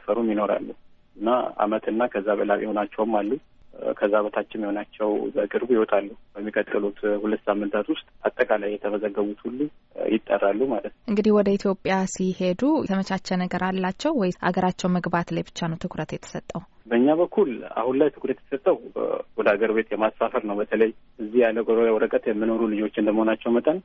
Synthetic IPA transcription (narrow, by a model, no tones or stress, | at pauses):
fəɾumjino̞ɾa̰lːu | ɨnːaa̰mət̪ʰɨnːakʰəzːaβəlaβʔjho̞nat͡ʃːɛwmːalːu | kʰəzːaβət̪ʰat͡ʃːɪnjɪho̞nat͡ʃːɛwbəkʼɨɾbujɪhwɔt̪ʼalːubəmːikʼət̪ʼɨlut̪hulət̪ːsamːɨnt̪ʰat̪wʊst̪ʼat̪ʼːəkʼalajːɛt̪ʰəməzəɡːəβut̪hulːujɪt̪ʼːə̰rːalːumalət̪nəʔɨŋɡɨd̪ihwɔd̪əit̪ʰjo̞pʼːjasihe̞d̪ut̪ʰəmət͡ʃʰat͡ʃːɛnəɡəɾalːat͡ʃːɛwːɔjʔa̰ɡəɾat͡ʃːɛwməɡbat̪lajbɨt͡ʃːanəwt̪ʰɨkʰɾət̪jɛt̪ʰə̥sət̪ʼːəwbəɨɲːaβəkʰːula̰hunlajt̪ʰɨkɾət̪jɛ̥sət̪ʼːəwwɔd̪əaɡəɾbe̞t̪jɛmasfafəɾnəwbət̪ʰələjʔɨzːihjalːəwʼawɾəkʼət̪jɛmːɨno̞ɾulɨd͡ʒo̞t͡ʃːɪnd̪əməhonat͡ʃːɛwmət̪ʼən